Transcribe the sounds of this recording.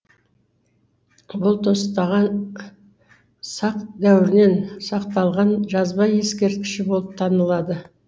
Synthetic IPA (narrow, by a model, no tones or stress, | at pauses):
bʊlˠt̪ʰo̞st̪ɑʁɑn | sɑqd̪æwɪɾɪne̞nsɑqt̪ɑlˠʁɑnʒɑzbɑje̞skʲe̞ɾt̪̚kʲɪ̥ʃɪbo̞lˠəp̚t̪ʰɑnəlˠɑd̪ə